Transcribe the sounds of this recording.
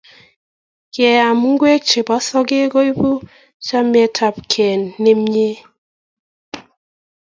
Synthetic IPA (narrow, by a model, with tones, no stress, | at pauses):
kjɛ˨a˨m˦ŋ̩˦ɡwe˦k̚t͡ʃe˨bɔ˨˦sɔ˦ɡe˦ɡo˦i˦bu˦ | t͡ʃa˦m˦ɛ˦tʰa˦p̚kʰɛ˨nːe˦m˦ɲe˦